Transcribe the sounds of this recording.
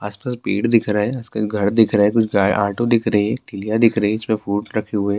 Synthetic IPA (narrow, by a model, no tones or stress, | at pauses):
aːspaːspeːʈd̪ɪkʰɾɐɦɛɐskʊt͡ʃʰɡʱɐɾd̪ɪkʰɾɐɦɛkʊt͡ʃʰɡaːʔa̰ːɾʈõd̪ɪkʰɾɐɦiɦɛ̃ːʈɪlijad̪ɪkʰɾɐɦiɪsmẽfuːʈɾɐkʰeɦueː